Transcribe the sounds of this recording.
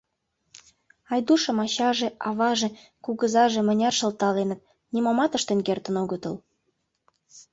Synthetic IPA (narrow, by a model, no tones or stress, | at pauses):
ɑjd̪uʃə̆mɑɕɑʒeʔɑβɑʒĕ | kuɣəzɑʒĕmə̆nʲɑrʃə̆lt̪ɑlenə̆t̪̚ | nʲimɑmɑt̪əʃt̪ĕnkert̪ə̆noɣət̪əl